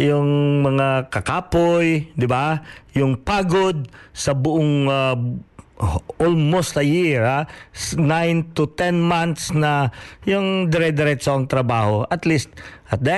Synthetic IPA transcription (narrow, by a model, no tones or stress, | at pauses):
jʊŋmɐŋakɐkaːpojd̪ɪbajʊŋpaːɡod̪̚sɐbʊʔoŋa | ʔolmost̪ɐjiɹasnajnt̪ʊt̪ɛnmant̪snɐjʊŋd̪ɪɾɛd̪ɛɾɛt̪soʔɐŋt̪ɾɐbaːhoʔɐt̪list̪̚ʔɐt̪̚d̪ɛ